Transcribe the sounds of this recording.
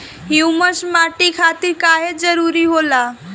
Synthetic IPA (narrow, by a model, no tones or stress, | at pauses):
ɦiwməsmaʈikʰat̪iɾkaɦed͡zəɾuɾiɦola